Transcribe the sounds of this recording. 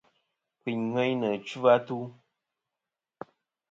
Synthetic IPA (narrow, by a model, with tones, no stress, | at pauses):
kwi˨ɲŋɛ˦ɲnə˨t͡ʃu˦va˦tu˦